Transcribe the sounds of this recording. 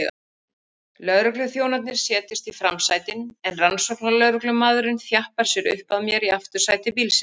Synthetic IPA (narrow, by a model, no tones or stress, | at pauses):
lœðɾʏklʏθjoːwnat̪̬̚nɪɾ̥sjɛːt̪ɪst̪ifɾamsajt̪ɪnɛnransɔknalœðɾʏklʏmaːðʏɾɪnθjahpaɾ̥sjɛɾʏ̰hpaðmjɛɾiaft̪ʏɾ̥saːjt̪ɪpiːlsɪ